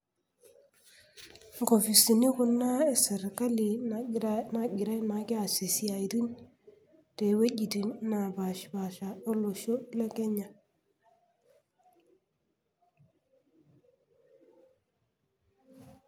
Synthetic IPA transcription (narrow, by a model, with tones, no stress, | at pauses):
ŋɡo˨fi˨si˨ni˦ku˨na˦e˨se˨ɾka˦li˨ | na˨ɡi˨ɾa˦na˨ki˦a˨se˨si˨a˨i˨tu˦n | te˨we˦ɟi˨ti˨nna˨ba˨ʃba˨ʃa˨o˦lo˨ʃo˦la˦ke˦ɲa˨